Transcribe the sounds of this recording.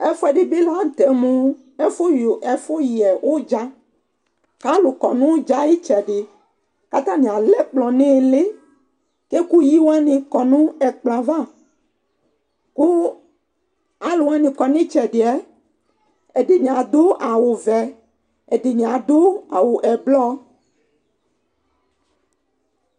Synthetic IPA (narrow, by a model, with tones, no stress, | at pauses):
ɛ˦fo˦ɛ˨ɖe˨be˦la˦˨t̪ɛ˨mũ˦ | ɛ˦fo˦jo˨ʔɛ˦fo˦ji˨ɛ˨wʔo˦d͡ʒa˦ | ka˦lo˨kɔ˨nũ˦wo˦d͡ʒa˦ji˦t͡ʃɛ˨ɖe˨ | ka˦t̪ã˦mĩ˨a˨lɛ˦k͡plɔ˨nẽ˦˨le˦ | ke˦ku˦ji˦wo˦a˦nĩ˨kɔ˨nũ˦ɛ˨k͡pla˨va˦˨ | ku˦ | a˦lo˨wa˦nĩ˨kɔ˨nĩ˦t͡ʃɛ˨ɖe˨ɛ˦ | e˨ɖe˨ɲĩ˨ã˨d̪o˦ʔa˨wo˨vɛ˨ | e˨ɖe˨mĩ˨ã˨d̪o˦a˨wo˨ʔɛ˨blɔ˦